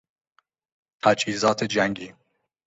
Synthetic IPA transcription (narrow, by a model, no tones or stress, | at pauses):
t̪ʰæd͡ʒhiːzɒːt̪ʰed͡ʒæŋɡiː